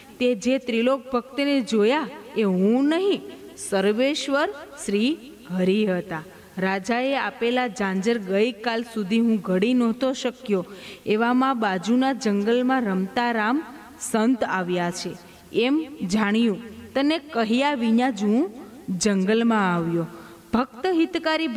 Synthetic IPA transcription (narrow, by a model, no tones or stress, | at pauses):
t̪ed͡ʒet̪ɾilok̚bʱək̚t̪ned͡ʒojaeɦũnəɦĩ | səɾʋeʃʋəɾʃɾi | ɡʱəɾiɦət̪a | ɾad͡ʒaeapelad͡ʒãɲd͡ʒəɾɡəjkalsud̪ʱiɦũɡʱəɽinɔt̪oʃəkjoeʋamãbad͡ʒunad͡ʒəŋɡəlmãɾəmt̪aɾam | sənt̪aʋjat͡ʃʰe | emd͡ʒaɽ̃jũt̪ənekəɦijaʋiɲãd͡ʒuũ | d͡ʒəŋɡəlmãaʋjo | b̥ʱəkt̪əɦit̪kaɾibʱ